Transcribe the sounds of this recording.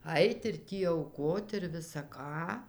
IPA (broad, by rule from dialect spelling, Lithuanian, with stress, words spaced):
ˈɐɪt ɪr ˈtʲiː ɐʊˈkoːt ɪr ʋʲɪsɐ ˈkɑː